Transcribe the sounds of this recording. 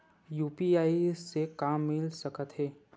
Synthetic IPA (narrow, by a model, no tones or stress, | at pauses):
juːpiaːisekaːmːɪlsəkət̪ɦɛː